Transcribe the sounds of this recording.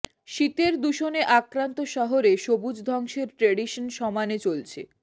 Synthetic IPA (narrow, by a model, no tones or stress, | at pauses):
ʃit̪eɾd̪uʃoneʔakɾant̪oʃɔɦoɾeʃobud͡ʑd̪ʱɔŋʃeɾʈɾeɖiʃonʃɔmanet͡ɕolt͡ɕʰḛ